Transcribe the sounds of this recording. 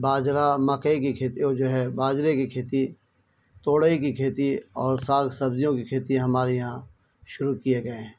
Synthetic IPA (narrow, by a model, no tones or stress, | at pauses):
baːd͡ʒɾamɐkikikʰeːt̪id͡ʒoːɦɛbaːd͡ʒɾekikʰeːt̪i | t̪oːɽikikʰeːt̪iɔːɾsaːɡsɐbzijõkikʰeːt̪iãɦɐmaːɾejã | ʃʊɾukijeɡɐeɦɛ̃ː